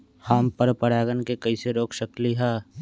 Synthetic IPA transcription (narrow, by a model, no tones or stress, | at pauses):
haːmpəɾpəɽaːɡənkekɐiseɾoːkʰʃəkliɦɛː